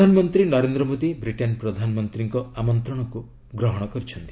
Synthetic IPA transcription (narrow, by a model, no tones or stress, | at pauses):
anɔmɔnt̪ɾinɔɾend̪ɾɔmod̪ibɾiʈenpɾɔd̪ʱanɔmɔnt̪ɾiŋkɔamɔnt̪ɾɔɽ̃ɔku | ɡɾɔɦɔɽ̃ɔkɔɾit͡ʃʰɔnt̪i̥